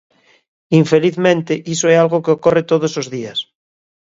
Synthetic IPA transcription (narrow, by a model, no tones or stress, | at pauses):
iɱfeliθmẽnt̪eʔisoealɣokeokoret̪oð̞osozðias